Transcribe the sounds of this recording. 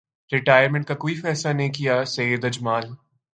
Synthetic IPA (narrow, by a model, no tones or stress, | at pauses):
ɾɪʈaːjəɾmẽɳʈ̚kakoːifɛːslaneɦĩkijasejəd̪ɐd͡ʒmaːl